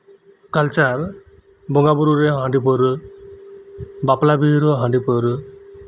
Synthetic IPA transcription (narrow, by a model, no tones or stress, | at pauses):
kalt͡ʃaɾ | bɔŋɡabuɾuɾeɦãɳɖipɔɾ | baplabiɾɔɦãɳɖipɔɾ